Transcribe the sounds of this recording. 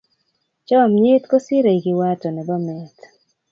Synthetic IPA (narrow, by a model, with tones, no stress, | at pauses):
t͡ʃɔ˦˨mɲe˦t̪ko˦sɪ˦ɾe˨i˨ɡɪ˨wa˦tɔ˨nɛ˨bɔ˦mɛ˨t̪